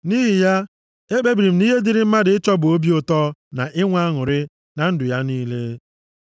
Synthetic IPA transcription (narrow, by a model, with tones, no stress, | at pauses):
ni˦ɦɪ˨ja˦ | e˦k͡pe˦bɾi˨m̩˨ni˦ɦe˦dɪ˨ɾɪ˦m̩˦ma˦dɪ˨ɪ˦t͡ʃɔ˦bʊ˨o˦bi˦o˨tɔ˦na˨ʔɪ˦ŋʷa˦ŋʊ˨ɾɪ˦ | na˨n̩˦dʊ˨ja˦niː˦le˦